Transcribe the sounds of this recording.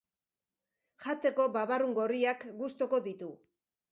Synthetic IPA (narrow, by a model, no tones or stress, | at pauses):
ʝat͡s̪e̞ko̞baβaruŋɡo̞riakɡust̪o̞ko̞ðit̪u